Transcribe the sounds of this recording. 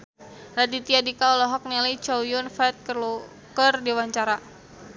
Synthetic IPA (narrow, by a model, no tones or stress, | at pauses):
ɾat̪it̪iadikaulɔɦɔk̚nɛlit͡ʃɔwjʊnfɛt̪̚kərlu | kərdiwaɲt͡ʃaɾa